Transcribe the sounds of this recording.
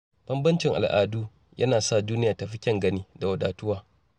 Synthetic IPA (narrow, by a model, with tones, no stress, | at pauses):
b̥ɐ˦mbɐ˦nt͡ʃɪ˨ŋʔa̰˨lʔa̰ː˨duː˦ | jʔɐ̰˦naː˨sa˦˨duː˦nɪ˦jaː˨ta˨ɸɪ˦kʲɐ˦˨ŋɡɐ˦niː˦da˨wɐ˨daː˨tʊ˦waː˦